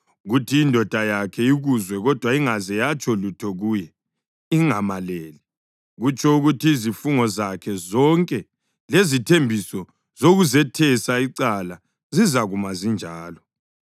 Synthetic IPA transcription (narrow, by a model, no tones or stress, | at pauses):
ɣutʰiːndʱɔd̥ʱajakʰɛiɣuzwɛɣɔd̥ʱwaiŋazɛjat͡ʃʼɔlutʰɔɣuːjɛ | iŋamaleːli | ɣut͡ʃʰʼɔuɣutʰiːzifuŋɔzakʰɛzɔŋkʼɛ | lezitʰembʱisɔ | zoɣuzɛtʰɛsaiǀala | zizaɣumazind͡ʒʱaːlɔ